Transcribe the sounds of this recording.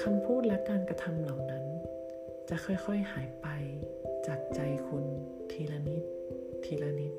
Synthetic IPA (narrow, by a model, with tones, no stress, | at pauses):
kʰa˧mpʰuː˥˩t̪̚lɛ˦˥kaː˧nka˧t̪ʰa˧mla˨˩wna˦˥n | t͡ɕa˨˩xʰɔ˧˩jxʰɔ˧˥˩jhaː˩˦jpa˧j | t͡ɕaː˨˩k̚t͡ɕa˧jkʰu˧n | t̪ʰiː˧la˧ni˦˥t̪̚ʰː | iː˧la˧ni˦˥t̪̚